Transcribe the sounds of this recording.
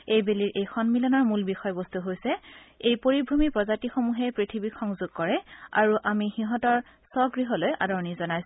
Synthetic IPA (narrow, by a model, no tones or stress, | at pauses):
ejbeliɹʔejxɔnmilɔnɔɹmulbixɔjɔbɔst̪uɦojsɛejpoɹibʱumipɹɔzatixomuɦɛpɹitʰibikxɔŋzuɡ̥̚kɔɹɛa̰ɹuʔamixiɦɔtɔɹ | sɔɡɹiɦɔlojʔa̰dɔɹɔnizɔnajsu̥